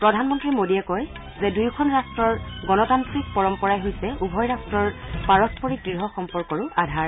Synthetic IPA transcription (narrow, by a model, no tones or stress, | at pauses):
pɹɔdʱanmɔntɹimodiɛkɔj | zɛdujkʰɔnɹastɹɔɹɡɔnɔtantɹikpɔɹɔmpɔɹajɦojsɛubʱɔjɹastɹɔɹpaɹɔspɔɹiɡɹiɹɦɔxɔmpɔɹkɔɹʊʔadʱaɹ